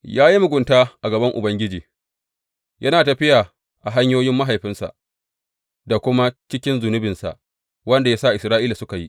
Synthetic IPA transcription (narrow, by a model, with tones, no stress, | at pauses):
jaː˦ji˦mʊ˨ɡʷʊ˨ntaː˦ʔa˨ɡɐ˨bɐ˦ŋʔʊ̰˨bɐ˦ŋɡʲɪ˦d͡ʒiː˨ | jʔɐ˦naː˨tɐ˨ɸɪ˦jaː˨ | ʔa˨ɦa˦ɲjoː˦jɪ˦mːa˦ɦa˨jɸɪ˦nsa̰˨ʔ | da˨kʷʊ˦ma˦t͡ʃɪ˦kʲɪ˦nzʊ˨nʊ˦bɪ˨nsa̰˨ʔ | wɐ˦nda˨ja˦sa˦˨ʔɪ˨sɾaː˦ʔiː˦la˨sʊ˦ka˨ji˦ʔ